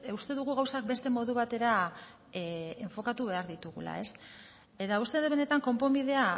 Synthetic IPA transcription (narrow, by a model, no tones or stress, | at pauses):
ust̪e̞ðuɣ̞uɣawsak̚be̞st̪e̞mo̞ðuβat̪e̞ɾa | eɱfo̞kat̪uβ̞e̞aɾðit̪uɣula̰e̞s | e̞t̪aust̪e̞ðeβe̞ne̞t̪aŋko̞mpo̞mbið̞e̞a